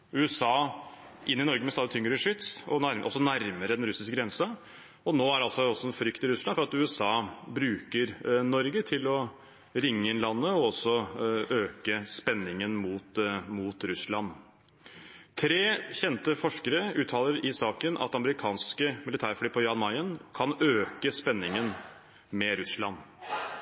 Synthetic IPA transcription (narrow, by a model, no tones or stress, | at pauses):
ʉːɛsɑː | ʔɪnːɪnɔɾɡəmɛsɑːd̪ɪt̪ʰʏŋːɾəʂʏt̪sɔæɾʔɔsɔnæɾməɾəd̪ɛnɾʉsɪskəɡɾɛnsə | ɔnoːæɾɑlsɔɔsɔɛnfɾʏkt̪ɪɾʉslɑnfɔɾɑt̪ʉːɛsɑːbɾʉːkəɾnɔɾɡət̪ʰɪlɔ | ɾɪŋːəɪnlɑnːəɔɔsːɔøːkəspɛnːɪŋənmuːt̪muːt̪ɾʉsɭɑn | t̪ʰɾeːçɛnt̪əfɔʂkəɾəʉːt̪ʰɑːləɾɪsɑːkənʔɑ̰t̪ɑməɾɪkʰɑːnskəmɪlɪt̪ʰæːɾflyːpʰɔjɑnmɑɪənkʰɑnøːkəspɛnːɪŋən | mɛɾʉslɑn